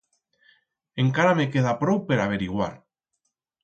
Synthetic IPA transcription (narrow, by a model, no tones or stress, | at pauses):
eŋkaɾamekeð̞apɾowpeɾaβ̞eɾiɣwa̰ɾ